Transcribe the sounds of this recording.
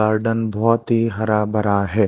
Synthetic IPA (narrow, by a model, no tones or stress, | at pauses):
aːɾɖənbʱɔːt̪ɦiɦɐɾabɐɾaɦɛː